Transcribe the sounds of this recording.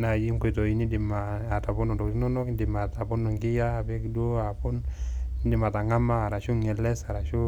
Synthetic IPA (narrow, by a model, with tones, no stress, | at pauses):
na˨ji˦ŋku˨i˨to˨i˦ni˦di˨ma˨ | a˨ta˨bo˦no˨ndo˨kti˦no˦no˦kn˦di˨ma˨ta˨bo˦no˨ŋɡi˦jaː˦˨bi˦kdo˦a˨pu˦n˦di˨ma˨ta˨ŋa˦maː˦˨ɾa˨ʃu˦ŋɛ˨lɛ˦sa˨ɾa˨ʃu˦